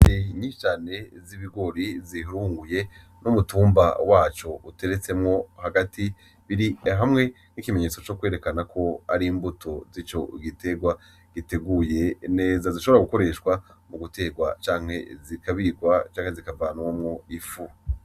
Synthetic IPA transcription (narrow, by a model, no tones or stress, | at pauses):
eɲit͡ʃaːne̞ziβiɡo̞ɾiziɦuɾuːŋɡuje̞ | numutuːmba̰waːt͡ʃo̞ʔute̞ɾet͡se̞mŋo̞haɡatʰi | βiɾiɦamŋe̞ | nikimeɲe̞ːt͡so̞t͡ʃo̞kwe̞ːɾe̞kanakʰo̞a̰ɾimbutʰo̞zit͡ʃo̞̰ɡitʰe̞ɡwa | ɡ̥ite̞ɡuje̞ne̞ːzaziʃo̞βoɾaɡuko̞ɾe̞ʃkwamuɡute̞ɡwat͡ʃaːŋhe̞̰zikaβiɡwat͡ʃaːŋhezikavanwamŋoifu